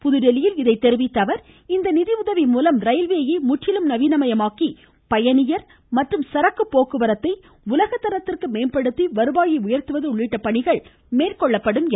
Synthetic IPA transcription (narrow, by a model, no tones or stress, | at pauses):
pʊðʊɾɛlɪjɪlɪðɐɪt̪ːɛɾɯʋɪt̪ːɐʋɐɾ | ɪnd̪ɐnɪðiʊðɐʋimuːlɐmɾɐɪlʋeɐjɐɪmʊʈːɪlɯmnɐʋiːnɐmɐjɐmaːki | pɐjɐnɪjɐɾ | mɐʈrɯmsɐɾɐkːɯpːoːkɯʋɐɾɐt̪ːɐɪ | ʊlɐɣɐt̪ːɐɾɐt̪ːɪrkɯmeːnpɐɽɯt̪ːiʋɐɾɯbaːjiʊjɐɾt̪ɯʋɐðɯʊɭːɪʈːɐpɐɳɪɣɐɭ | meːrkɔɭːɐpːɐɽɯm